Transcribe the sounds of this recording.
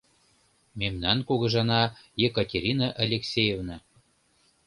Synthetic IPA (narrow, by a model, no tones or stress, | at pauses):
memnænkuɣɤ̆ʒɑnɑjekətʲeɾʲinɑʔɑlʲeksʲejevnɑ